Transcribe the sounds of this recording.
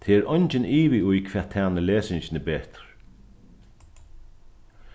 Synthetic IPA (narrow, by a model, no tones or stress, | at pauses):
t̪ʰeːɾɔɲt͡ʃɪniːʋiʊjkʰv̥ɛːat̪ʰːɛːnɪleːsɪɲɕɪnɪbɛːt̪ɹ̥